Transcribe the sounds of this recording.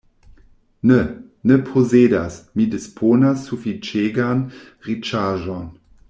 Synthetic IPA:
nə | nəpʰozeːdasmidɪspʰoːnasufit͡ʃeːɡan | ʁit͡ʃaːʒɔn

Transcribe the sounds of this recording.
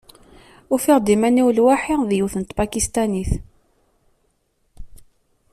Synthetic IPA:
ʊfɪʁd̪imæniwlwaħiðjuθənt̪pakist̪aniθ

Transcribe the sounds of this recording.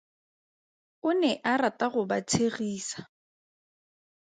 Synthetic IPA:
ʊnɛʔaɾatʼaɣʊba̰t͡sʰeɣiːsḁ

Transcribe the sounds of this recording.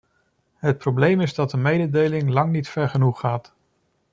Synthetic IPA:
ɦət̚prowblejmɪzdɑt̚dəmejdədejlɪŋlɑŋnitfɛɹχənuχːaːt

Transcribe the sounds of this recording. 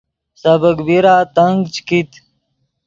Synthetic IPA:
sɐbəkbiɾaːt̪ɐŋɡt͡ɕkit̪

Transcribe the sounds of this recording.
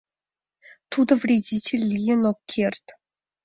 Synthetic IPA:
t̪ud̪ɤ̆vrʲedʲitʲelʲːijɘnokʲʰːerʲt̪ʲ

